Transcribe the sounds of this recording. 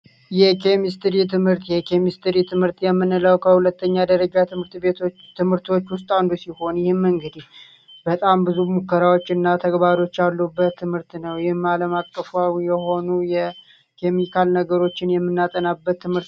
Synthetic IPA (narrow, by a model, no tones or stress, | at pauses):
jɛkʰe̞mist̪ɨɾit̪ʰɨmhɨɾt̪jɛkʰe̞mist̪ɨɾit̪ʰɨmhɨɾt̪jɛmːɨnləwkʰəhulət̪ːəɲːad̪əɾəd͡ʒat̪ʰɨmɨɾt̪bet̪ʰo | t̪ʰɨmhɨɾt̪o̞t͡ʃːwʊst̪ʼand̪usiho̞njɪhɪmːɨŋɡɨd̪ih | bət̪ʼambɨzumukːəɾawo̞t͡ʃːɨnːat̪ʰəɡbaɾo̞t͡ʃːalːubːət̪ʰːɨmhɨɾt̪nəwjɪhɪmaləmakʼːəfuawjɛho̞nujɛ | kʰe̞mikʰalnəɡəɾo̞t͡ʃːɪnjɛmːɨnːat̪ʼənabːət̪ʰːɨmhɨɾt̪